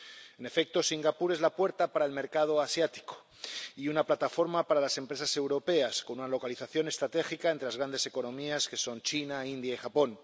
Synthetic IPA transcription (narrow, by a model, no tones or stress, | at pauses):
ene̞fe̞k̚t̪o̞siŋɡapuɾe̞zlapwe̞ɾt̪apaɾaelme̞ɾkað̞o̞asjat̪i̥ko̞̥ | iunaplat̪afo̞ɾmapaɾalase̞mpɾe̞sase̞wɾo̞pe̞asko̞nunalo̞kaliθaθjone̞st̪ɾat̪e̞xikaent̪ɾe̞lazɣɾand̪e̞se̞ko̞nõ̞miaske̞so̞nt͡ʃinaind̪jaixapo̞n